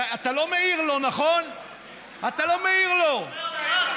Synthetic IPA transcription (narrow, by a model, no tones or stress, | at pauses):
at̪alo̞me̞iʁlo̞naχo̞n | at̪alo̞meiʁlo̞